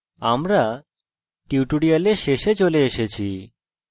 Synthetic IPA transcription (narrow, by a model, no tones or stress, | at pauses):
amɾa | ʈiʈuɽijaleʃeʃet͡ɕoleeʃet͡ɕʰi